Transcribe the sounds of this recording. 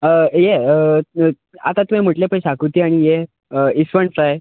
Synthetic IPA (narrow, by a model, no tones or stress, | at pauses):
əje | a̰t̪at̪uɦẽm̤əʈlepəjɕakut̪iaɽ̃ije | əisʋəɳsae